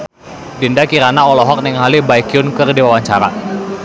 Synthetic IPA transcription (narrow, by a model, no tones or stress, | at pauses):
dindakiɾanaɔlɔɦɔk̚nɪŋɦalibaikiʊnkərdiwawaɲt͡ʃaɾa